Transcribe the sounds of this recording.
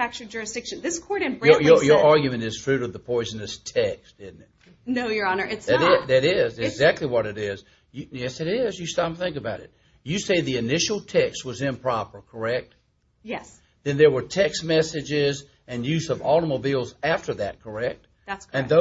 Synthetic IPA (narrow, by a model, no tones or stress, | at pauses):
fæk̚t͡ʃə˞d͡ʒʊɹɨsd̥ɪkʃɨ̃nðɪskʰɔɹɾɨ̃nbəjə˞jə˞ɑɹɡjɨmɨ̃ñtɨz̥tʰɹ̥ʉɾʌvðəpʰɔɪzɨn̩ɨstʰɛksd̥ɪdⁿn̩tɪt̚ | noʊjə˞ɑnə˞ɪtsðɨɾɪzðɨɾɪzɪɡzæk̚tʰˡliwʌɾɨɾɪz̥ | jɨjɛsɨɾɪzjɨstɑ̃mθɪ̃ŋkɨbaʊɾɨ̰t̚ | jɨseɪðiɨnɪʃl̩ˠtʰɛkst̚wʌzɪ̃mpʰɹ̥ɑpə˞kʰə˞ɛk̚t̚ | jɛs | ðɨ̃nðə˞wə˞tʰɛks̚mɛsɨd͡ʒɪz | ɨ̃njʉzʌvɔlˠɾəmobilˠzæftə˞ðɨt̚kʰə˞ɛk̚t̚ | ætsɨ̃nðo